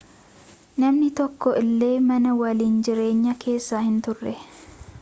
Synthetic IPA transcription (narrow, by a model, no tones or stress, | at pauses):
nɐmnɪt̪ɔkːɔʔɪlːe̞ːmɐnɐwɐliːnd͡ʒɪɾe̞ːɲːɐkʰe̞ːsːaːhɪnt̪ʊrːɛ